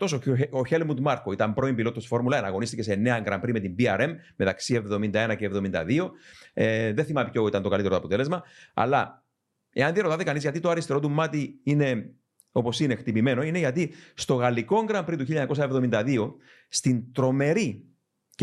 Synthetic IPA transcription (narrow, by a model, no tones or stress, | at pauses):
t̪o̞sooçelmud̪mɐɾkoit̪ɐmpɾo̞impilo̞t̪ːosfo̞ɾmulɐenɐɣo̞nist̪icesene̞ɐŋɡɾɐmpɾime̞t̪imbiɐɾe̞mːe̞t̪ɐksie̞vðo̞mind̪ɐe̞nɐceːvðo̞mind̪ɐ̰ðio̞eðeθimɐmipçoit̪ɐnt̪okɐlit̪eɾoɐpot̪e̞le̞zmɐɐ̰lɐ | e̞ɐnðiɐɾo̞t̪ɐt̪ekɐnizʝɐt̪it̪oɐɾist̪eɾo̞t̪umːɐt̪iine̞ | o̞po̞sine̞xt̪ipime̞no̞ine̞ʝɐt̪ist̪o̞ɣɐliko̞ŋɡɾɐmpɾit̪uçiʎːɐɲɐko̞s̬ɐe̞vðo̞mind̪ɐðio̞ | st̪int̪ɾo̞me̞ɾi